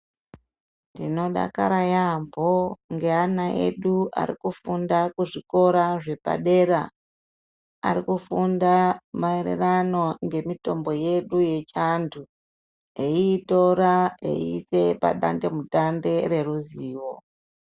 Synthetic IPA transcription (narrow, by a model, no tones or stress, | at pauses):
ndino̞ɗa̰ka̰ɾajambʱoŋɡe̞anaʔe̞̰ɗuʔa̰ɾḭkufundakuʐiko̞ɾaʐe̞pa̰ɗe̞ɾa | a̰ɾikufundamaeɾḛrano̞ŋɡe̞mito̞mbo̞je̞ɗuje̞t͡ʃandʰu | eiːto̞ɾae̞̰iise̞pa̰ɗa̰ndemutande̞ɾe̞ruziːwo̞